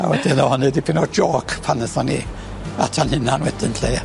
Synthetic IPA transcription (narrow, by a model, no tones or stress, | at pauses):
a̰wɛdɪnɔhɔnɨdipʰinɔd͡ʒɔːkʰpʰanəθɔni | a̰tʰanhɪnanwɛdɪnɬḛja